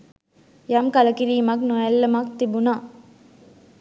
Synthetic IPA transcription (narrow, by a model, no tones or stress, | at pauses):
jɐmkɐlɐkiɾiːmɐknojɐlːɐmɐk̚t̪ibuna